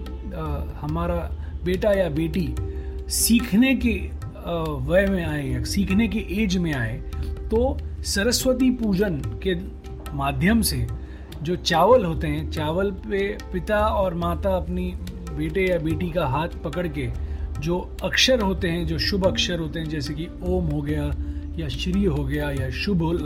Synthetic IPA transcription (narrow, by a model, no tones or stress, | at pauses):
hɐmaːɾabeːʈajabeːʈisiːkʰneke | ʋɐjmẽaːejsiːkʰnekeʔeːd͡ʒmẽaːet̪osɐɾəswət̪ipuːd͡ʒənke | maːd̪ʱjəmse | d͡ʒoːt͡ʃaːʋəlɦoːt̪eɦɛ̃t͡ʃaːʋəlpepɪt̪aɔːɾmaːt̪aɐpni | beːʈejabeːʈikaɦaːt̪ʰpɐkəɽked͡ʒoː | ɐkʃəɾɦoːt̪eɦɛ̃d͡ʒoːʃʊbʱɐkʃəɾɦoːt̪eɦɛ̃d͡ʒɛːseki | oːmɦoɡɐjajaʃɾiːɦoɡɐjajaʃʊboː